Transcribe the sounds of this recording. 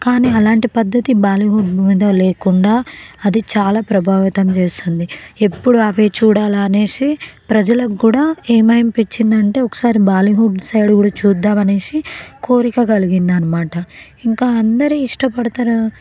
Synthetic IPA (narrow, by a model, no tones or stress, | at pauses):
kaːniːɐlaːɳʈipɐd̪ːɐt̪ibaːliɦuɖmiːd̪oːleːkuɳɖaːɐd̪it͡ʃaːlaːpɾɐbʱaːʋit̪ɐmt͡ʃe̞ːst̪und̪ie̞pːuɽuɐʋeːt͡ʃuːɽaːlaːne̞ːsipɾɐd͡ʒɐlɐkːuːɽaːeːmɐjɐmpit͡ʃːind̪ɐɳʈe̞ːɔkɐ̥saːɾibaːliɦuɖsɐjɽuɡuːɽaːt͡ʃuːd̪ːaːmɐne̞ːsiko̞ːɾikɐɡɐliɡind̪ɐnɐmaːʈɐ | iŋkaːɐnd̪ɐɾiːʂʈɐpɐɽut̪anɐ